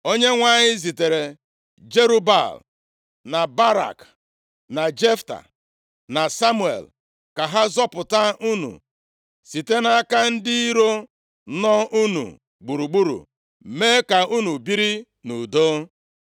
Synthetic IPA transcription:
o˦ɲe˦ŋʷa˨ɲɪ˦zi˨te˨ɾe˨ | d͡ʒe˦ɾu˦ba̰˨l | na˨ba˦ɾa̰˨k | na˨d͡ʒe˦fta̰˨ | na˨sa˦mu˦˨ḛ˨l | ka˨ɦa˦zɔ˦pʊ˨ta˦u˦nṵ˨ | si˨te˦na˦ka˦n̩˦dɪ˦i˦ɾo˦ | nɔ˦ʔu˦nṵ˨ | ɡ͡bu˨ɾu˨ɡ͡bu˦ɾṵ˨ | me˦ka˨u˦nu˨bi˦ɾi˦ | nu˨do˦

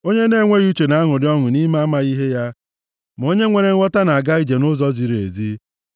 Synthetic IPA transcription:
o˦ɲe˦ne˦˨ŋʷe˦ɣu˦t͡ʃe˨na˨˦a˦ŋʊ˨dɪ˦ɔ˦ŋʊ˨ni˦ma˦ma˨ɣi˦ɦe˦ja˦ | m˨o˦ɲe˦ŋʷe˨ɾe˨ŋ̩˦ɔ˦ta˦na˨a˨ɡa˦i˦d͡ʒe˨nʊ˦zɔ˦zi˨ɾḛ˨zi˦

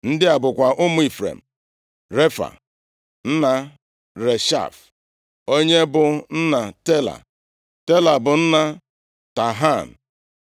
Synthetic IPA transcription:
n̩˦dɪ˦a˨bʊ˨kʷa˨ʔʊ˦mʊ˦i˨fɾḛ˨m̩˨ | ɾe˦fa̰˨ | n̩˦na˨ | ɾe˨ʃa̰˦˨f | o˦ɲe˦bʊ˨n̩˦na˨te˦la̰˨ | te˦la˨bʊ˨n̩˦na˨ | ta˨ɦa˦˨n̩˨

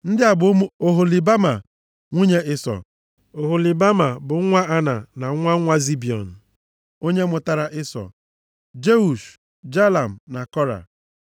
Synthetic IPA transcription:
n̩˦dɪ˦a˨bʊ˨˦mu˦o˦ɦo˨li˨ba˦ma˨ | ŋʷi˦ɲe˦ʔɪ˦sɔ̰˨ | o˨ɦo˨li˨ba˦ma˨bʊ˨˦ŋʷa˦ʔa˦na˨na˨˦ŋʷa˦ŋʷa˦zi˦bi˨ɔ̰˨n̩˨ | o˦ɲe˦mʊ˨ta˨ɾa˨ʔɪ˦sɔ̰˨ | d͡ʒe˦u˨ʃ | d͡ʒa˦la˨m̩˨na˨kɔ˦ɾa̰˨

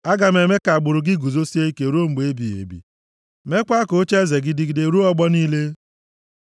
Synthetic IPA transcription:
a˦ɡa˨m˦e˨me˦ka˨a˨ɡ͡bʊ˨ɾʊ˨ɡɪ˦ɡu˨zo˦si˦e˦i˦ke˨ɾo˦ŋ͡m̩˨ɡ͡be˨e˦bi˨ḛ˨bḭ˨ | me˦kʷa˦ko˨˦t͡ʃe˦ze˨ɡɪ˨dɪ˦ɡɪ˦de˨ɾu˦ɔ˦ɡ͡bɔ˦niː˦le˦

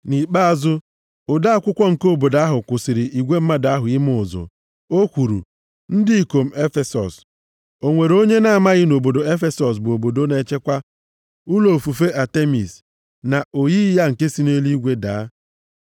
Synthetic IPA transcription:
ni˨k͡pa˦a˨zʊ˦ | ʊ˨da˦a˦kʷʊ˦kʷɔ˦ŋ̩˨ko˦˨bo˨da˦ɦʊ˨kʷʊ˨sɪ˨ɾɪ˨ʔi˨ɡʷe˦m̩˦ma˦daa˦ɦʊ˨ɪ˦mʊ˦˨ʊ˨zʊ̰˨ | o˦kʷu˨ɾṵ˨ | n̩˦dɪ˦i˨ko˨m̩˦e˦fe˨sɔ̰˨s | o˨ŋʷe˨ɾo˦ɲe˦na˨a˨ma˦ɣɪ˦no˨bo˨do˨e˦fe˦sɔ˨s̬bo˨bo˨do˦ne˦t͡ʃe˦kʷa˦ | ʊ˦lo˨fu˨fe˦ʔa˨te˦mḭ˨s | na˨o˨ji˦ja˦ŋ̩˨ke˦si˦ne˦li˦ɡʷe˦da̰˨˦

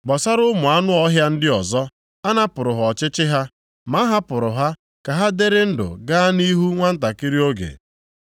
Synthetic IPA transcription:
ɡ͡bɔ˨sa˦ɾʊ˦mʊ˨a˦nʊ˦ɔ˦ɦja˦n̩˦dɪ˦ɔ˨zɔ˦ | a˦na˦pʊ˨ɾʊ˨ɦɔ˨t͡ʃɪ˦t͡ʃɪ˦ɦa˦ | ma˦ɦa˦pʊ˨ɾʊ˨ɦa˦ | ka˨ɦa˦de˦ɾɪ˦n̩˦dʊ̰˨ɡa˦ni˦ɦu˦ŋʷa˦n̩˦ta˨ki˦ɾi˦o˦ɡḛ˨

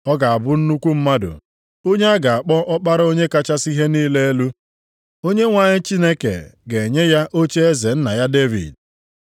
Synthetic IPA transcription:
ɔ˦ɡa˨a˨bʊ˦n̩˦nu˦kʷu˦m̩˦ma˦dʊ̰˨ | o˦ɲe˦a˦ɡa˨a˨k͡pɔ˦ʔɔ˦k͡pa˦ɾo˦ɲe˦ka˦t͡ʃa˦si˦ɦe˦niː˦le˦lu˦ | o˦ɲe˦ŋʷa˨ɲɪ˦t͡ʃi˦ne˦kḛ˨ɡe˨ɲe˦ja˦ʔo˦t͡ʃe˦e˦ze˨n̩˦na˨ja˦de˦vḭ˨d̚

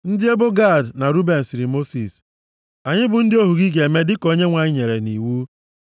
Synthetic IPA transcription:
n̩˦dɪ˦e˦bo˦ɡa˦˨dna˨ɾu˦be˨n̩˨sɪ˨ɾi˨mo˦si˨s | a˨ɲɪ˦bʊ˨n̩˦dɪ˦o˦ɦu˨ɡi˦ɡe˨me˦dɪ˦ko˨˦ɲe˦ŋʷa˨ɲɪ˦ɲe˨ɾe˨ni˨wu˦

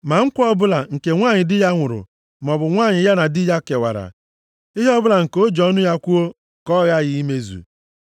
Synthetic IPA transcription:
ma˨ŋ̩˦kʷɔ˦bʊ˦la˨ŋ̩˨ke˨ŋʷa˦˨ɲɪ˨dɪ˦ja˦ŋʷʊ˨ɾʊ̰˨ | m˨ɔ˨bʊ˨ŋʷa˦˨ɲɪ˨ja˦na˨dɪ˦ja˦ke˨wa̰˨ɾa̰˨ | ɪ˦ɦɔ˦bʊ˦la˨ŋ̩˨ko˦d͡ʒɔ˦nʊ˦ja˦kʷu˦o˦ | kɔ˦ɣa˦ɣɪ˦i˦me˦zṵ˨

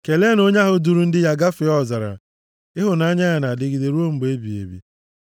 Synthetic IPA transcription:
ke˨le˦no˦ɲa˦ɦʊ˨du˨ɾu˦n̩˦dɪ˦ja˦ɡa˦fɪ˨˦ɔ˦˨za˨ɾa̰˨ | ɪ˦ɦʊ˨na˦ɲa˦ja˨na˨dɪ˨ɡɪ˨de˨ɾu˦o˦m̩˦be˦bi˨ḛ˨bḭ˨

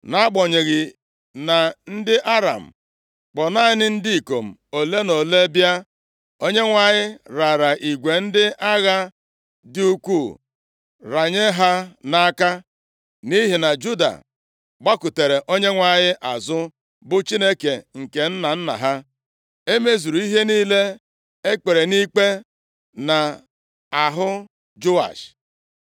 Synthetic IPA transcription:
na˦a˦ɡ͡bɔ˨ɲe˨ɣɪ˨ | na˨n̩˦dɪ˦ʔa˦ɾa̰˨m̩˨ | k͡pɔ˨na˦ɲɪ˦nɪ˦n̩˦di˦i˨ko˨m̩˨o˨le˦no˨le˦bja˦ | o˦ɲe˦ŋʷa˨ɲɪ˦ɾa˨ɾa˨ʔi˨ɡʷe˨n̩˦dɪ˦a˦ɣa˦ | dɪ˦u˦kʷu˦˨ | ɾa˨ɲe˦ɦa˦na˦a˦ka˦ | ni˦ɦi˨na˨d͡ʒu˦da̰˨ | ɡ͡ba˦kʊ˨te˨ɾe˨ʔo˦ɲe˦ŋʷa˨ɲɪ˦ʔa˨zʊ˦ | bʊ˦t͡ʃi˦ne˦ke˨ŋ̩˨ke˨n̩˦na˨n̩˦na̰˨ɦa˦ | e˦me˦zu˨ɾu˨i˦ɦe˦niː˦le˦ | e˦k͡pe˨ɾe˨ni˦k͡pe˦ | na˨ | a˨ɦʊ˦ | d͡ʒo˦a̰˨ʃ

